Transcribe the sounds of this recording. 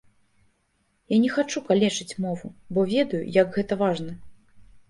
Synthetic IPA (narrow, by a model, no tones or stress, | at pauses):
janʲɛxat͡ʂukalʲɛt͡ʂɨt͡sʲmɔvubɔvʲɛd̪ɐjṵjɐɡɣɛt̪ɐvaʐnɐ